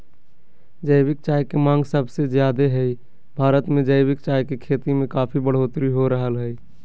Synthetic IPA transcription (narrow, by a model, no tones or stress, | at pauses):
d͡ʒəɪbɪk̚t͡ʃaːjkemãːŋɡsəbʱsezjaːd̪eɦɛi | bʱaːɾət̪mẽd͡ʒəɪbɪkt͡ʃaːjkekʰeːt̪imẽkaːpʰibəɽ̤oːt̪ɾiɦoɾəɦəlɦɛi